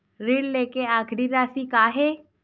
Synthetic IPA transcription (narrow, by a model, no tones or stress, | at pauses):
ɾiɽleːkeaːkʰɽiɾaːsikaːɦeː